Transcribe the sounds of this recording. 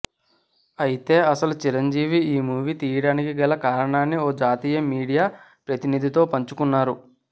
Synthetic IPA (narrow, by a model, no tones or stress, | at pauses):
ɐjit̪e̞ːɐsɐlut͡ʃiɾɐɲd͡ʒiːʋiiːmuːʋit̪iːjɐɽaːnikiɡɛlːɐkaːɾɐɳaːnːioːd͡ʒaːt̪iːjɐmiːɽijaːpɾɐt̪inid̪ʱit̪o̞ːpɐɲt͡ʃukunːaːɾu